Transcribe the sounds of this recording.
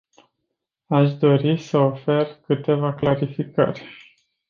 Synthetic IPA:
aʃd̪o̞ɾisəofe̞rkɨt̪e̞vaklaɾifikə̰rʲ

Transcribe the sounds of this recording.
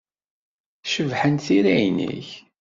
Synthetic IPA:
ʃəvħənθiɾæjnḭç

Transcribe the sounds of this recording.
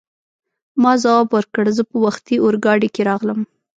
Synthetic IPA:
mɑzawɑbwəɾkəɽzəpəwaxt̪iʔoɾɡɑɽikeɾɑɣləm

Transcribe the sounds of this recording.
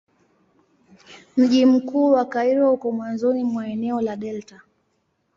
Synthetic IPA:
m̩ʄim̩kuːwakaiɾɔhukɔmwanzɔnimwaɛnɛɔlaɗɛlta

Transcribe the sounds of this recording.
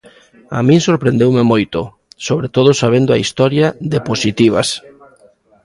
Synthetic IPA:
a̰mĩŋsoɾpɾẽnd̪ewmemojt̪ʊ | soβɾet̪oð̞osaβend̪ʊaist̪ɔɾjaðeposit̪iβ̞ɐ̰s

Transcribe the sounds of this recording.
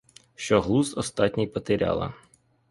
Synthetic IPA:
ʃt͡ʃɔɦlˠuzɔst̪ɑtʲnʲijpɐt̪eɾʲɑ̰lˠɐ̰

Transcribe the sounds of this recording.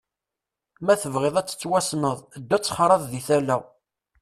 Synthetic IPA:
mæθəvʁeðˤæt͡sːə̥t͡sːwæsnəðˤd̪ːæt͡sːχɾˤɑðˤðiθælæ

